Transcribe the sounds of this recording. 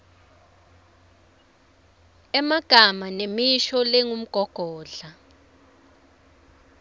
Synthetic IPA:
ɛmaɡ̥ʱamanemiʃɔlɛŋum̩ɡ̥ʱɔɡ̥ʱɔːɮa

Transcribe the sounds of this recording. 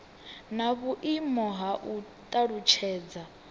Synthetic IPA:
naβuʔimɔɦaʔut̪ʼaɺut͡ʃʰɛːd͡za

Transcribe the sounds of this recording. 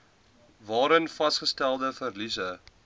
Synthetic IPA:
vɑːɾənfɐsχəstælˠdəfərlisə

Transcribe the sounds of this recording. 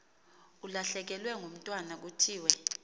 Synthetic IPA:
ulaɬɛk̬ɛlwɛŋʱum̩tʼwanak̬utʰiːwɛ

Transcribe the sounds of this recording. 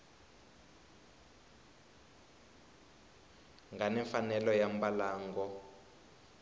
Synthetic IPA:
ŋɡanɛɱfanɛlɔjambalaːŋɡɔ

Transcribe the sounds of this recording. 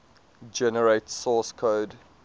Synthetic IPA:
d͡ʒɛnəɹeɪtsɔːskʰoːd

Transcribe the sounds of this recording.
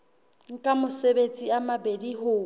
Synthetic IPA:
ŋ̩kʼamʊsebet͡sʼiamabediɦʊː

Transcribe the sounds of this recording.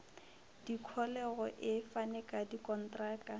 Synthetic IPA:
d̥ikʰɔlɛɣɔʔɪfanɛkʼadikʼɔn̩traːka

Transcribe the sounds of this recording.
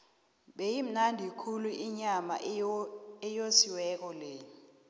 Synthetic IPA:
ɓejim̩nandʱikʰuluʔiɲama̰ʔ | ɛjosiwɛk̬ʼɔlɛ

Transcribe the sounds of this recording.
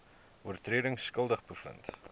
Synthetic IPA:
uərtriəɾəŋskəlˠdəχbəfə̰nt

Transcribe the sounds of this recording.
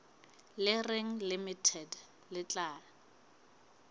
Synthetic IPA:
lɪreŋ̩limitʰɛd | lɪt͡ɬʼaːl

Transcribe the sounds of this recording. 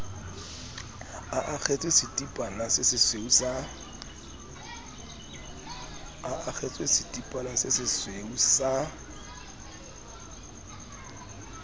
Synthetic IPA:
aʔak͡xʰɛt͡sʼwesɪtʼipʼanasɪsɪsweusa | aʔak͡xʰɛt͡sʼwesitʼipʼanasɪsɪsweusa

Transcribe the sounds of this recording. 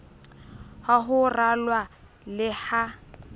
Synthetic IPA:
haɦʊralwa | lɪha

